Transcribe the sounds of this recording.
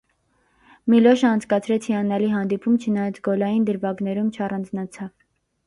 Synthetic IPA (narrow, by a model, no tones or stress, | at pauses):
milɔʃəɑnt͡sʰkɑt͡sʰɾɛt͡sʰhiɑnɑliɦɑnd̪ipʰumt͡ʃʰənɑjɑt͡sʰɡɔlɑjind̪əɾvɑɡnɛɾumt͡ʃʰɑrɑnd͡znɑt͡sʰɑv